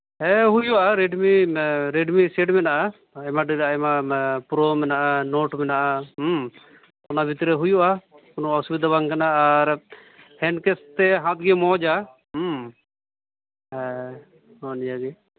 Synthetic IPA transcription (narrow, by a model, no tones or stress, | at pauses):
ɦɛɦujuʔaɾeɖmiɾeɖmiseʈmɛnaʔa | ɛmaɖiɾaaɛmapɾomɛnaʔanoʈmɛnaʔa | ɔnabʱit̪ɾɛɦujuʔa | ɔnɔɔsubid̪ʱabaŋkanaːɾ | hɛnkɛst̪ɛɦãt̪ɡɛmɔd͡ʒa | ɛ | ɔnijaɡɛ